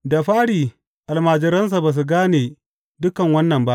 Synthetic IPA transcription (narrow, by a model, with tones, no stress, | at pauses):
da˨ɸaː˦ɽiː˨ | ʔa˨lmaː˨d͡ʒɪ˨ɾɐ˦ns̬a˨baː˨s̬u˨ɡaː˦neː˨ | dʊ˦kɐ˨ŋwɐ˦nːɐ˨mba˦ʔ